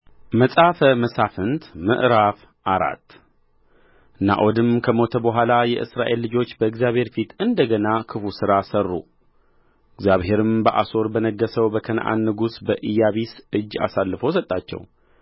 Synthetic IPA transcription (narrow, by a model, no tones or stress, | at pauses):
məsʼafəməsafɨnt̪mɨ̰ʔɾaf | ʔaɾa̰t̪ː | na̰ʔod̪ɨmkʰəmo̞t̪ʰəbəɦʷalajɛʔɨsɾaʔe̞lːɨd͡ʒo̞t͡ʃːbəɨɡzjaβhe̞ɾfit̪ʰɨnd̪əɡənakʰɨfusɨɾasərːṵ | ɨɡzjaβhe̞ɾɨmbəʔaso̞ɾbənəɡəsəwbəkʰən̰ʔa̰nːɨɡusbəʔɨjːaβisʔɨd͡ʒːa̰salːɨfəwsət̪ʼːat͡ʃːɛ̰w